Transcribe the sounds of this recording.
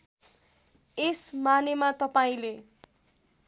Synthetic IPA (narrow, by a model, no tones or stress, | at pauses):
esmanemat̪ʌpaĩle